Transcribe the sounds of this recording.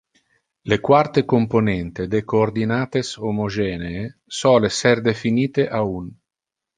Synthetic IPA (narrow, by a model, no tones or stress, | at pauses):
lekwart̪ekomponɛnt̪ed̪ekoːrd̪inaːt̪esomod͡ʒɛːneːsɔːlesɛrd̪efiniːt̪eʔaun